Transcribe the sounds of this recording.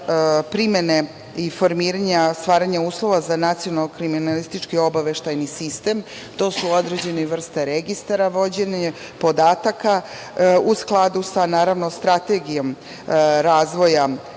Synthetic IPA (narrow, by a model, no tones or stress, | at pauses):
pɾimene | ifo̞ɾmiːɾaɲast̪ʋaːɾaɲauːslˠo̞ʋazanat̪sijo̞nalːokɾiminalist̪it͡ʃkio̞baʋe̞ʃt̪ajnisist̪e̞ːm | t̪o̞ːsuod̪ɾed͡ʑe̞neʋr̩st̪aɾeɡist̪aɾaʋo̞d͡ʑeɲe | po̞d̪aːt̪aka | usklˠad̪usanaːɾaʋno̞st̪ɾat̪e̞ɡijo̞m | ɾaːzʋo̞ja